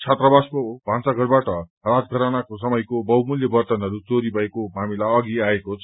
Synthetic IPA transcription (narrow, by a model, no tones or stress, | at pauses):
t͡sʰat̪rʌbaskobʱãnt͡saɡʌrbaʈʌrat̪̚ɡʱʌɾanakos̬ʌmʌjkobʌwmuljʌbʌrt̪ʌnɦʌɾut͡soɾibʱʌekomamilaʌɡiaekot͡sʰ